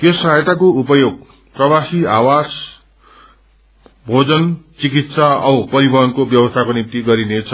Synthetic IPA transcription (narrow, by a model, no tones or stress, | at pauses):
t̪josaɦjt̪akoupʌjoɡ̚ | prʌbasiawas | bʱod͡zʌnt͡sikit̪saʌpʌɾibʱʌɦʌnkobjʌwʌst̪ʰakonimt̪iɡʌɾinet͡sʰʌ